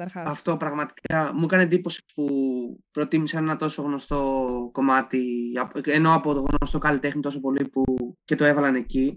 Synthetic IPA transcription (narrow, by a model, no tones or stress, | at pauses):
ɾɐft̪o̞pɾɐɣmɐt̪i̥kɐmukɐnend̪ipo̞si̥spupɾo̞t̪imisɐne̞nɐt̪o̞so̞ɣno̞st̪o̞ko̞mɐt̪iɐenoɐpot̪oɣɣnoost̪o̞kɐlit̪e̞xnit̪o̞so̞po̞lipuce̞t̪oe̞vɐlɐne̞ci